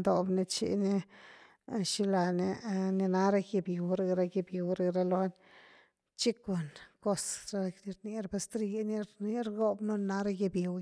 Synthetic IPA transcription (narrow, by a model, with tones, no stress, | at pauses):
d̪o˨bne˧t͡ʃḭ˧ni˦ | ʃi˧la˨ne˧ni˧na˦ɾa˦˧je˧bji˨wɾa˧ɡɾa˧ɡe˧bji˨wɾa˧ɾa˧lo˧n | t͡ʃi˦ko˨nko˦sɾa˧ni˧ɾni˧ɾba˧st̪ɾi˧˦jni˦ɾi˦ɾɡo˦bno˦nna˦ɾa˧je˧bje˨w